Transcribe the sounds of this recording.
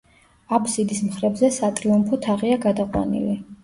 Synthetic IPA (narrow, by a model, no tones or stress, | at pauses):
apʰsid̪ismχɾɛbzɛsat̪ʼɾiumpʰɔt̪ʰaʁiaɡad̪aqʼwa̰nḭli